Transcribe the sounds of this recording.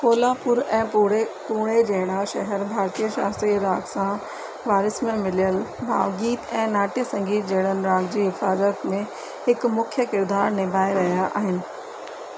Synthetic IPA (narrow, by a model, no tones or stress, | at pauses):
koːlaːpʊɾɛ̃ːpuɽepuːɽ̃ed͡ʑɐɦɽ̃aʃɐɦɛɾbʱaːɾt̪iəʃa̰ːst̪ɾiɾaːɡsã | ʋaːɾɪsmẽmɪlijəlbʱa̰ːʋɡiːt̪ɛ̃ːnaːʈijəsɐ̃ŋɡiːt̪̚d͡ʑɐɦɪɽ̃ənɪ̆ɾaːɡd͡ʑiːɦɪfaːzət̪mẽ | hɪkmʊkʰjəkɪɾd̪aːɾnɪbʱaːeɾɐɦijaʔa̰ːɦɪnɪ̆